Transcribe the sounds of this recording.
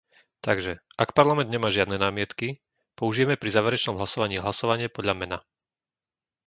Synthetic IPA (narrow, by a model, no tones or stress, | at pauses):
t̪aɡʒɛʔakpaɾlamɛnd̪ɲɛmaːʒɪad̪nɛnaːmɪɛt̪ki | pɔuʒijɛmɛpɾizaːʋɛɾɛt͡ʃnɔmɦlasɔʋaɲiːɦlasɔʋaɲɪɛpɔd̪lʎamɛna